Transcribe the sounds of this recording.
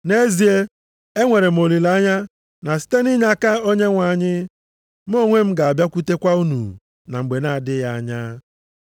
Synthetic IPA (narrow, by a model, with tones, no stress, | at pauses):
ne˦zi˨e˦ | e˦ŋʷe˨ɾe˨m̩˨o˨li˨la˨˦ɲa˦ | na˨si̥˦te˦ni˦ɲa˦ka˦o˦ɲe˦ŋʷa˨ɲɪ˦ | m˦o˦˨ŋʷe˦m̩˦ɡa˨a˨bja˦kʷu˦te˦kʷa˦u˦nṵ˨ | na˨ŋ͡m̩˨ɡ͡be˨na˦˨dɪ˦ja˦a˦ɲaː˦